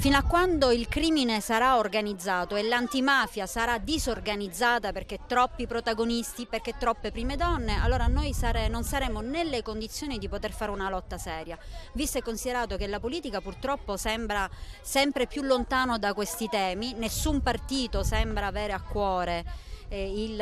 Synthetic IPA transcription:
finoakːwand̪oilkɾiːminesaɾaorɡanid̪zːaːt̪oelant̪imaːfjasaɾad̪izorɡanid̪zːaːt̪aperk̟et̪ːɾɔpːipɾot̪aɡonist̪iperk̟et̪ːɾɔpːepɾiːmed̪ɔnːea̰lːoːɾanojsaɾenonsaɾɛmːonelːekond̪it̪sːjoːnid̪ipot̪erfaːɾeunalɔt̪ːasɛːɾjavist̪oekːonsid̪eɾaːt̪ok̟elapoliːt̪ikapurt̪ɾɔpːosɛmbɾasɛmpɾepjulːont̪aːnod̪akwest̪it̪ɛːminesːumpart̪iːt̪osɛmbɾaːvɛːɾeakːwɔːɾe | il

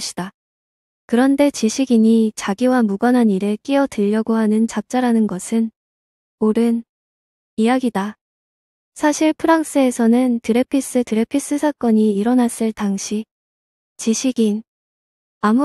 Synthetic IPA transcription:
ɕʰi̥d̥a | kɯɾʌnde̞t͡ɕiɕʰiɡiɲit͡ɕaɡiwamuɡʌnɦaniɾe̞k͈iʌdɯʎːʌɡoɦanɯnt͡ɕap̚t͡ɕ͈aɾanɯnɡʌsʰɯn | oɾɯn | ijaɡida | sʰaɕʰiɭpʰɯɾaŋs͈ɯe̞sʰʌnɯntɯɾe̞pʰis͈ɯtɯɾe̞pʰis͈ɯsʰak͈ʌɲiːɾʌnas͈ɯɭtaŋɕʰi | t͡ɕiɕʰiɡin | amu

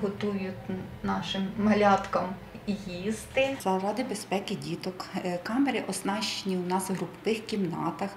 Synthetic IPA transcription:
ɦɔt̪ujʊtʲnɑʃɪmːɐlʲɑt̪kɐm | ijizt̪ɪzɐɾɑd̪ɪbespɛkɪdʲit̪ɔkkɑmeɾɪʔɔznɑʃenʲiwnɑsɦɾʊpɔʋɪxkʲimnɑt̪ɐx

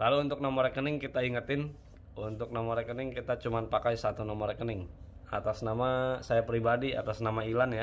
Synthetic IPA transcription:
laluːnt̪ʊk̚nɔmɔɾɛkənɪŋkit̪aiŋət̪ɪn | unt̪ʊk̚nɔmɔɾɛkənɪŋkit̪at͡ʃumanpakajsat̪unɔmɔɾkənɪŋ | a̰t̪asnamasajapɾibadia̰t̪asnamailanja

